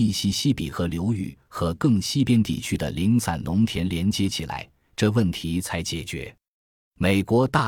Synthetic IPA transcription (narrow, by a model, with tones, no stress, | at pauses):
i˥˧ɕi˥ɕi˥pḭ˨˩xɤ˧˥ljo˧˥ʊy̰˨˩xɤ˧˥kɤ˥˧ŋɕi˥˧pjɛ˥nt̪ḭ˨˩t͡ɕʰy˥d̪ə̰˨˩li˧˥ŋt͡sʰa̰˨˩nlʊ˧˥ŋt̪ʰjɛ˧˥nljɛ˧˥nt͡ɕjɛ˧˥t͡ɕʰi˨˩la̰˧˥ɪ | ʈ͡ʂɤ˥˧wə˥˩nt̪ʰi˧˥t͡sʰa˧˥ɪt͡ɕjɛ˨˩t͡ɕɥɛ̰˧˥ | me˨˩ɪkwɔ˧˥t̪a˥˩